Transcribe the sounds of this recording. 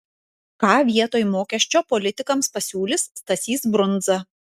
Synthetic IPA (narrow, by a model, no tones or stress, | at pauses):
kɑːʋʲiɛt̪oːjmoːkʲɛʃʲt͡ʃʲoːpɔlʲɪt̪ʲɪkɐmspɐsʲuːlʲɪsːt̪ɐsʲiːsbɾʊnˑd̪zɐ